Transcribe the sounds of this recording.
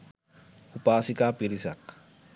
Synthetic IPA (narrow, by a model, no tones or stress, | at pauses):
upasikapiɾisak̚